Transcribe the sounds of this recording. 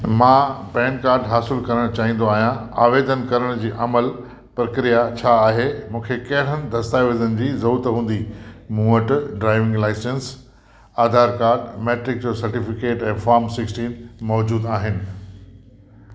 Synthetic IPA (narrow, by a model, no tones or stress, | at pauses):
mãːpɛ̃ːɳɖ̚kaːɾɖɦaːsɪlkɐɾəɽ̃t͡ɕaːɦĩnd̪oaːɦijãa̰ːʋeːd̪ənkɐɾəɽ̃d͡ʑiːʔɐməl | pɾɐkɾijat͡ɕʰaːɦemũːkʰekɐɦɪɽ̤ənɪ̆d̪ʱɐst̪aːʋeːzənɪ̆d͡ʑiːzɐuːt̪ɦũːn̆d̪imuːəʈɖɾaːɪʋɪ̃ŋɡlaːɪsẽns | aːd̪ʱaːɾkaːɾɖmeːʈɾɪk̚d͡ʑoːsɐɾʈifɪkeːʈɛ̃ːfaːɾmsɪksʈĩːnmɔːd͡ʑuːd̪aːɦɪnɪ̆